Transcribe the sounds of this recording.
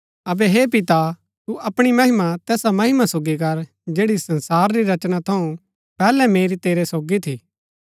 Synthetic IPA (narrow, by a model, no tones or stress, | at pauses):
ɐbɛɦepɪt̪a | t̪uʔɐpɽ̃imɐɦɪmat̪ɛːsamɐɦɪmasoːɡik̬ɐɾ | d͡ʒeːɽisɐ̃nsaːɾɾiɾɐt͡ʃñat̪ʰɐũ | pɛːlɛmeːɾit̪eːɾesoːɡit̪ʰiː